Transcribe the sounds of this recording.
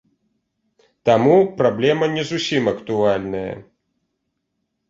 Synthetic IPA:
t̪amupɾablʲɛmɐnʲɛzusʲimɐkt̪ualʲnɐjɐ̰

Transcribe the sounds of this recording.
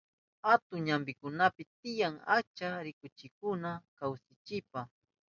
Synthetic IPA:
at̪ʊŋɲambɪkʊnapɪt̪ɪjaŋat͡ʃaɾɪkʊt͡ʃɪkʊnakawsɪt͡ʃɪpa

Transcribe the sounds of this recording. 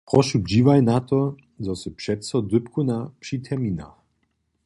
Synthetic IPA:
pʁɔʃud͡ʑivajnat̪ɔ | zɔsɛpʂɛt̪sɔd̪ɵpkunapʂit̪ʰɛmina̰

